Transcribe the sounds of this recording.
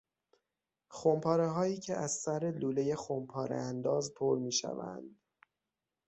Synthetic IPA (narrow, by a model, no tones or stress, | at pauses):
xompʰɒːɾeɦɒːjiːcʰeʔæzsæɾeluːle̞je̞xompʰɒːɾḛænd̪ɒːzpʰoɾmiːʃæ̰væ̰nd̪̥